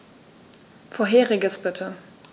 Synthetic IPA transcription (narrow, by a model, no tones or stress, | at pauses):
foːɐɦeːʁɪɡəsb̥ɪtʰə